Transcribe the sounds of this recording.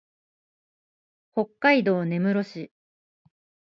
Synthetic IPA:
ho̞kːaid̪o̞ːne̞mɯ̟ɾo̞ɕi

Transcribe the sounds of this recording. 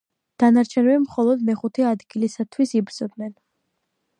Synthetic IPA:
d̪̥anaɾt͡ʃʰɛnɛbimχɔlˠɔd̪mɛχut̪ʰɛad̪ɡilisat̪ʰwisibɾz̥ɔb̚nɛn

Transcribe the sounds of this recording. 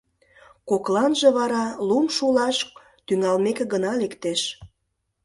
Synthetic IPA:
koklɑnʒĕβɑɾɑlumʃulɑʃ | t̪yŋɑlmekeɣənɑlekt̪eʃ

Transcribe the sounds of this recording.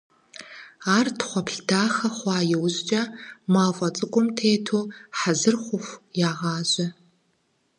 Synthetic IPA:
aːrtχʷɔpɬdaːxɐχʷɑːjɛwzt͡ʃʼɐmaːfʼɐt͡sʼɨkʷʼʊmtʰeːtʰuːħazɨrχʷʊxʷjaːʁɑːʑʼɪ

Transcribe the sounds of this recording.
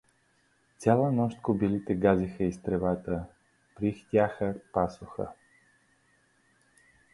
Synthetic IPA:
t̪sʲjalˠənɔʃt̪kobilit̪ɛɡazixəist̪ɾɛvat̪ə | pɾixt̪ʲjaxəpasoxə̰

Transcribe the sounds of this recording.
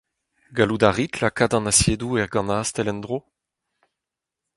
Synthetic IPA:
ɡalud̪aʁitlakad̪ɑ̃nasjeːd̪uɛʁɡɑ̃naːst̪ɛlɛnd̪ʁo

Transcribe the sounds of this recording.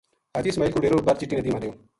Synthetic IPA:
ɐt̪iːsmaːilkuɽeːɾoːbɐɾt͡ʃɪʈːiːned̪iːmãd̪ejoː

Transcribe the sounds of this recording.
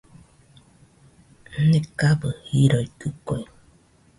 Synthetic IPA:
nekabɯhiɾoikɯkoi

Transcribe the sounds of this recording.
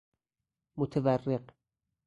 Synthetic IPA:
mot̪ʰeværːeq

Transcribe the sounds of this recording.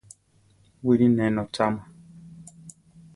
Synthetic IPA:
wiɾinɛnɔt͡ʃama

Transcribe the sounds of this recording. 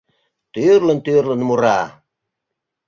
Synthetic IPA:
t̪yrlə̆nt̪yrlə̆nmuɾɑ

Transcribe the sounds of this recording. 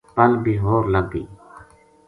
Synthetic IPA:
pəlbiːɦoːɾləɡ̚bḭː

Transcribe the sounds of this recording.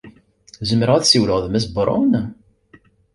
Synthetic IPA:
zəməɾəʁæθsiwləʁðmæs̬bɾˤʊ̰n

